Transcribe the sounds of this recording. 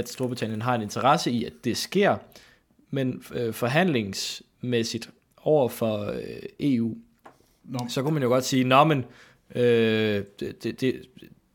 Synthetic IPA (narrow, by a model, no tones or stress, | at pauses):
æd̥sd̥o̝ɐb̥ʁit͡sʰæn̰jənɦɑ̈e̝ne̝nt͡sʰɐʁɑ̈səiæ̥d̥e̝sɡ̥e̝ɐ̰ | menøfɒ̽ɦæn̰le̝ŋs | mesid̥ | ɒʊ̰ɐfɒe̝̰ːṵː | sɒ̽kʰæmænjo̝ɡ̥ɒ̽d̥siːnɒmen | ø̥ | d̥ed̥e̝